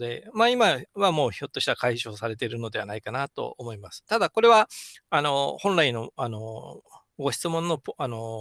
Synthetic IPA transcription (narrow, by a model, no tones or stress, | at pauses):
d̪e̞maːimaβamo̞ːço̞t̪ːo̞ɕi̥t̪akaiɕo̞ːsaɾe̞t̪̬eɾɯ̟no̞d̪e̞anaikanat̪o̞̰omo̞imasɨ̥t̪ad̪ako̞ɾe̞βaano̞hõ̞nɾaino̞ano̞ | ɡo̞ɕi̥t͡sɨmõ̞nːo̞pano̞